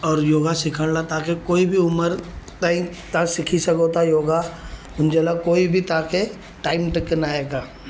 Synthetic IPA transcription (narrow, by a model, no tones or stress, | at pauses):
ɔːɾjoːɡasɪkʰəɽlat̪aːkekoːibʱiʊməɾt̪aːĩt̪asɪkʰisɐkot̪ajoːɡa | ʊnd͡ʒelakoːibʱit̪aːke | ʈaːɪmʈɪkːenaːeːɡaː